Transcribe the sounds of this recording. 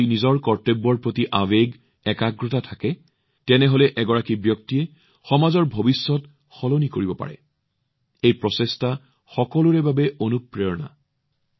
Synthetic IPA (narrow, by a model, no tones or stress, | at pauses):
nizɔɹkɔɹtebːɔɹpɹotiʔabeɡ | ɛkaɡɹɔtatʰakɛ | tɛnɛɦolɛʔɛɡɔɹakibjɔk̚tiɛ | xɔmazɔɹbʱobisːɔt | xɔlonikoɹibɔpa̰ɹɛ̰ | ejpɹɔsesta | xɔkɔluɹɛbabɛonupɹeɹna̰